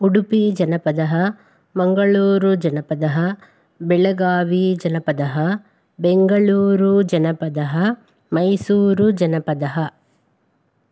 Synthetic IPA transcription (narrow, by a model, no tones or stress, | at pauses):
uɽupid͡ʒɐnɐpɐd̪ɐɦɐ | mɐŋɡɐɭuːɾud͡ʒɐnɐpɐd̪ɐɦɐ | bɛɭɐɡaːʋid͡ʒɐnɐpɐd̪ɐɦɐ | beŋɡɐɭuːɾud͡ʒɐnɐpɐd̪ɐɦɐ | mɐjsuːɾud͡ʒɐnɐpɐd̪ɐɦɐ